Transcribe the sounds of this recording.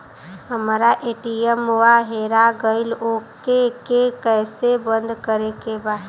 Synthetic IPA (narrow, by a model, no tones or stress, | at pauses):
ɦəmːɾaʔeːʈiemʊaɦeːɾaɡəɪloːkekekɛːsebə̃nd̪kəɾekebaːd̪